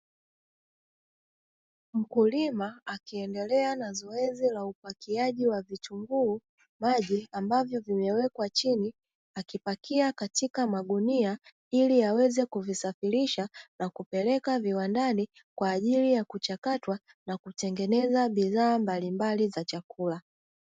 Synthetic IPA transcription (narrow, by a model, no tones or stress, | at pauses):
m̩kulimaːkiɛndɛlɛanazɔɛzilaupakiaʄiwavituŋɡuː | maʄiambavjɔvimɛwɛkwat͡ʃini | akipakiakatikamaɠunia | iliawɛzɛkuvisafiɾiʃanakupɛlɛkaviwandani | kwaːʄilijakut͡ʃakatwa | nakutɛŋɡɛnɛzaɓiðaːmbalimbalizat͡ʃakula